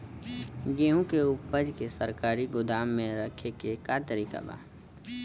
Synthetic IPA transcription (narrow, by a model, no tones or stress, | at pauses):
ɡeːɦũkeʊpəd͡ʒkesəɾkaːɾiɡʊd̪aːmːẽɾəkʰekekat̪əɾiːka̰ba̰ː